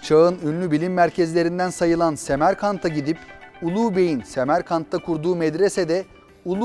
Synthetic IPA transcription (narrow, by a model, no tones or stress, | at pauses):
t͡ʃʰaɯnynlʲybilʲimːæɾcʰezlʲe̞ɾind̪ænsajɯlˠansemæɾkʰant̪ʰaɟid̪ipulˠuːbejinsemæɾkʰant̪ʰːakʰuɾd̪uːmɛd̪ɾesed̪ɛ | ulˠu